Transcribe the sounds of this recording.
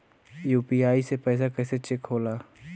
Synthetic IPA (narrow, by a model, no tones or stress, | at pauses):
juːpiaːisepɛːs̬akɛːset͡ʃɪkɦoːlaː